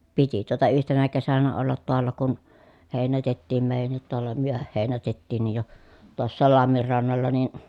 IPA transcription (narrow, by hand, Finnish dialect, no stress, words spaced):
piti tuotɑ yhtenæ kesænæ olːɑt toɑlːɑ kun heˑinætetːiːm meˑi̯jænːit toɑlːɑ myøhæh heˑinætetːiːnːij jo tuosːɑːl lɑmːir rɑnːɑlːɑ nin